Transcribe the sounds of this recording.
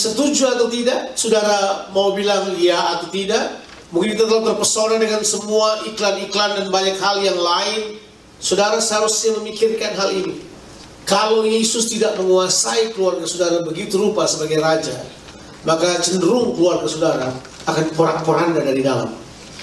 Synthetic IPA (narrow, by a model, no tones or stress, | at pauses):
sət̪ud͡ʒuat̪awt̪idaʔsudaɾamaubilaŋlijaːt̪awt̪idaʔ | mũŋkɪnit̪at̪əlak̚t̪ərpərsonɛdəŋansəmuaʔiklaniklandanbaɲakhaljaŋlaɪn | sodaɾashaɾusɲaməmikɪrkanɦalini | kalowjesʊst̪idaʔməŋuasaikəluarkəsudaɾabəɡit̪uɾupasəbaɡajɾad͡ʒa̰ | makat͡ʃəndəɾʊŋkəluarkəsudaɾa̰ː | kanpoɾanpoɾandadaɾidala̰m